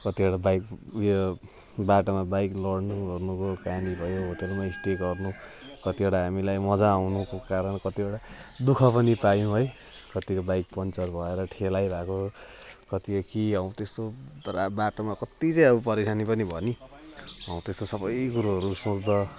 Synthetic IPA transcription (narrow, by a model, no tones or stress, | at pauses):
kʌt̪ieɽabajkjo | baʈomabajklʌɽnuʌrnukokanibʱʌjoɦoʈelmaisʈeɡʌrnu | kʌt̪ieʈaɦamilajmʌd͡zaːwnukokaɾʌnkʌt̪ieɽad̪ukʰʌpʌnipajũɦoj | kʌt̪ikobajk̚pʌnt͡sʌrbʱʌeɾʌʈʰelajbʱakokʌt̪ikʌkiʌũt̪est̪orabaʈomakʌt̪it͡sʌ̃j̃ʌbupʌɾesʰanipʌnibʱʌni | ʌũt̪est̪osʌbʌjkuɾuɦʌɾusot͡sd̪ʌ